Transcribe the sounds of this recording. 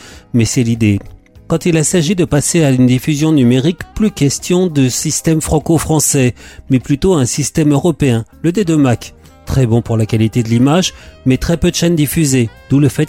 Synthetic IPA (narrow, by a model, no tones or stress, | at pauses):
mɛsɛlid̪e | kɑ̃t̪ilasaʒid̪əpaseaynd̪ifyzjɔ̃nymeʁikplykʲɛst̪jɔ̃d̪əsist̪ɛmfχɑ̃kofχɑ̃sɛmɛplyt̪oaɛ̃sist̪ɛmøʁɔpeɛ̃ləd̪ed̪ømak | t̪χɛbɔ̃puʁlakalit̪ed̪əlimaʒmɛt̪χɛpød̪əʃɛnd̪ifyzed̪̥uləfɛt̪̚